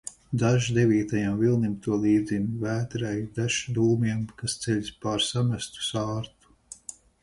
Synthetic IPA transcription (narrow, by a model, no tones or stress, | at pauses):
d̪aʒd̪eviːt̪ajamvilˠnimt̪uɔlˠiːd̪zimvæːt̪ɾɛjd̪aʃi̥d̪uːmiɛmkast̪seʎʲsʲpaːɾsamæst̪u̥saːɾt̪u̥